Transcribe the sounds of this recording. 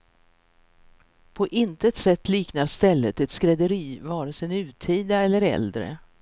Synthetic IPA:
pʰɔʔɪnt̪ət̪sɛt̪ːliːknaɾʂt̪ɛlːət̪ɛt̪skɾɛd̪əɾiːvɑːɾəsɛnʉ̟ːt̪ʰiːd̪aɛlːəɾɛ̰ld̪ɾə̰

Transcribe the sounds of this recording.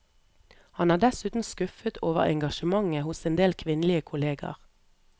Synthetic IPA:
hɑnæːd̪ɛsʉːt̪n̩skʉfət̪ʰoːʋə̰ʁɛ̰ŋɡɑʃəmɑŋəhʊseːnd̪eːlkʰʋɪnlɪəkʰʊleːɡɑ̰ʁ

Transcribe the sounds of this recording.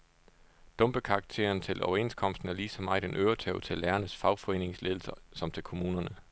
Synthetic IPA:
d̥ɔ̽mb̥əkʰɑ̈ːɡ̥̚t͡sʰe̝̰ɐnt͡sʰe̝lʔɒʊɐe̝̰nskʰɒ̽m̰sd̥n̩æɐliːsɒ̽mɑ̈ɪd̥enʔøʊɐt͡sʰɛʊt͡sʰe̝lːæːɐnəsfɑ̈ʊfɒ̽e̝̰ːne̝ŋsle̝ðˠl̩sɐsɒ̽mt͡sʰe̝lkʰo̝muːnɐnə

